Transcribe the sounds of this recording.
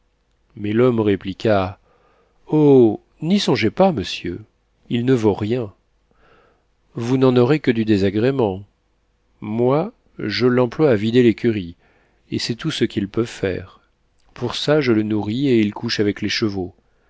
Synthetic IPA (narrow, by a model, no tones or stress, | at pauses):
mɛlɔmʁeplikʲa | o | nisɔ̃ʒepaməsjø̰ | ilnəvoʁjɛ̃ | vunɑ̃nɔʁekəd̪yd̪ezaɡʁemɑ̃ | mwa | ʒəlːɑ̃plwaːvid̪elekʲyʁi | esɛt̪usəkʲilpøfɛ̰ʁ | puʁsaʒələnuʁieilkʰuʃavɛkleʃəvo